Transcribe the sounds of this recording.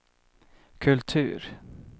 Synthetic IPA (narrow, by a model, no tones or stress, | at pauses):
kʰɵlt̪ʰʉ̟̰ːɾ